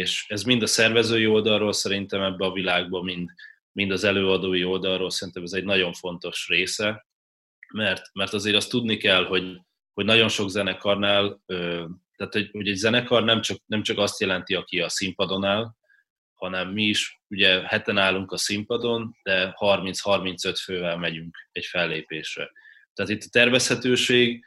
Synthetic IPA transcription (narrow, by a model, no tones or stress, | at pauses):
eːʃɛzmind̪ɒsɛrvɛzøːjio̞ld̪ɒrːoːlsɛɾint̪ɛmɛbːɛɒvilaːɡ̚bɒmind̪ | mind̪ɒzɛløːɒd̪oːjio̞ld̪ɒrroːlsɛɾint̪ɛmɛzɛɟnɒɟo̞ɱfo̞n̪t̪o̞ʃreːsɛ | mɛrt̪mɛrt̪ɒzeːɾɒst̪ːud̪nikɛlɦo̞ɟ | hoɟnɒɟo̞nʃo̞ɡzɛnɛkɒrnaːløːt̪aːt̪ho̞ɟhoɟɛɟzɛnɛkɒrnɛmt͡ʃɒk̚nɛmt͡ʃɒkɒst̪jɛlɛnt̪iɒkiɒsimpɒd̪o̞naːl | hɒnɛmːiːʃuɟɛhɛt̪ɛnaːlːuŋkɒsimpɒd̪o̞nd̪̥ɛhɒrmint̪shɒrmint̪sø̞t̪føːvɛlmɛɟyŋkɛcfɛlːeːpeːʃrɛ̰ | t̪ɛːt̪it̪ːɒ̥t̪ɛrvɛshɛt̪øːʃeːɡ